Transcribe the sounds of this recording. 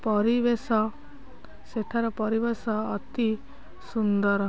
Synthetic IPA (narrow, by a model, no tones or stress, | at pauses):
pɔɾibesɔ | seʈʰaɾɔpɔɾiβesɔːt̪i | sund̪ɔɾɔ